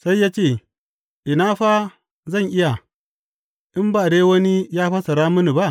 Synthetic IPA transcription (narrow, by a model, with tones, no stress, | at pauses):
sa˦jːaː˦t͡ʃeː˦˨ | ʔɪ˨naː˦ɸa˦ | zɐ˦˨ŋʔɪ˦ja˨ | ʔɪ˦mba˨deː˦wɐ˦ni˦jaː˦ɸa˦sɐ˨ɾa˦mʊ˦ni˨ba˦ʔ